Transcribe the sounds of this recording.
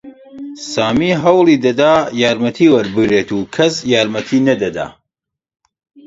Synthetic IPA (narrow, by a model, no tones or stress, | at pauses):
saːmiːɦɐwlˠiːd̪ɐd̪aːjaːɾmɐt̪ʰiːwɐɾbɨɡɾet̪ukʰɐsjaːɾmɐt̪ʰiːnɐd̪ɐd̪a̰ː